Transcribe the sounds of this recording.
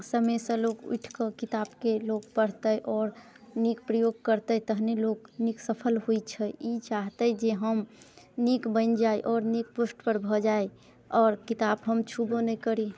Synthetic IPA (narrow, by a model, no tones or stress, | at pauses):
səməsə̃loɡṵjʈʰkəkit̪abkeloɡpəɽ̤t̪əʔɔːɾ | nik̚pɾəjoɡ̚kəɾt̪ət̪əɦneloɡniksəpʰəlɦoit͡ʃʰəit͡ʃaɦt̪əd͡ʒeɦəmnikbənd͡ʒaiʔɔːɾnik̚posʈpəɾbʱɔd͡ʒae | ɔːɾkit̪abɦəmt͡ʃʰubonəjkəɾi